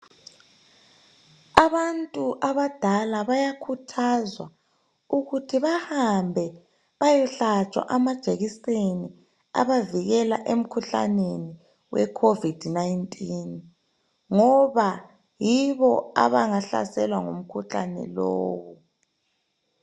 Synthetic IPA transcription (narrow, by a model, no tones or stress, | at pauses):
aβantʼuʔaβad̥ʱalaβajakʰutʰazwa | uɣutʰiβahambʱɛ | βajɛɬat͡ʃʼwa̰ʔamad̥ʒ̥ʱeɣiseni | a̰βaviɣɛlaʔem̩kʰuɬa̰neni | wɛ̰kʰovid̥ʱnajntʼin | ŋɔβa | jiβɔa̰βaŋaɬa̰sɛlwaŋṵm̩kʰuɬa̰nɛ̰lɔ̰ːβu